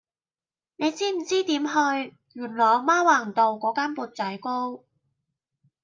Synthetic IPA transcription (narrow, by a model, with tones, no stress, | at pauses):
ne˨˧jt͡siː˥m̩˨˩t͡siː˥t̪iː˨˥mɦɵ˧ɥ | jyː˨˩nlɔː˨˩jmaː˥waː˨˩ŋt̪o˨˧wkɔː˨˥kaː˥npuː˧t̚t͡sɐ˨˥jko˥w